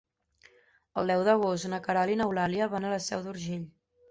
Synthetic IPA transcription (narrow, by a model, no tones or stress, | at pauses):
əlˠd̪ɛwðəɣost̪nəkəɾalinəwlaliəβanələsɛ̰wd̪uɾʒeʎ